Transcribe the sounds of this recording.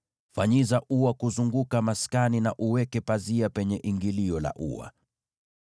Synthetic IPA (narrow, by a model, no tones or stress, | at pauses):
faɲizaʔuakuzuŋɡukamaskaninaʔuwɛkɛpaziapɛɲɛʔiŋɡiliɔla̰ʔṵwa̰